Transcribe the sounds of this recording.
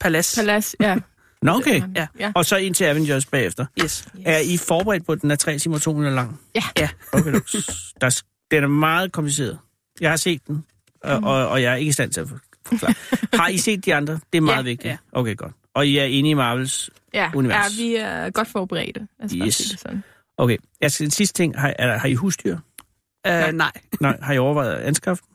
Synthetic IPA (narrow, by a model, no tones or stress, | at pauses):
pʰælæsæls | nɔokʰeɒ̽sɒ̽e̝n̰t͡sʰe̝læʋəndosb̥ɛ̰ːefd̥ɐæɐifɒːb̥əʁɛ̰ːd̥̚pʰɒ̽d̥enæɐt͡sʰʁɛ̰ːt͡sʰimɐt͡sʰo̝̰ːmiɐlɑ̈ŋ̰jæokʰed̥ɑ̈ | d̥enæɐmɑ̈ːð̞̩ˠkʰɒ̽mpʰlis̬e̝̰ːɐðˠ | jɑ̈ɪhɑ̈se̝̰ːd̥̚ːen | ʔɒɒjɑ̈ɪæɐeɡ̥əisd̥æn̰t͡sʰe̝ɐf | fɒklɑ̰ːhɑ̈ise̝̰ːd̥̚ːiɑ̈nd̥ʁɐd̥e̝æɐmɑ̈ːðˠʋe̝ɡ̥̚d̥iʔo̰ʊkʰeːɡ̥ɒ̽d̥ | ɒ̽jiæɐe̝nəimɑ̈ːʋ̥l̩s | uniʋæɐsʋiɡ̥ɒd̥fɒːb̥əʁɛ̰ːd̥əes | ʔokʰejæsd̥ensisd̥ə̥t͡sʰe̝ŋ̰ɦɑ̈æɐ̥hɑ̈iɦṵːsd̥yɐ̰ | nɑɪ̰nɑ̈ɪhɑ̈iɒʊɐʋɑ̈ɪð̩ˠænsɡ̥ʁɑ̈fd̥n̩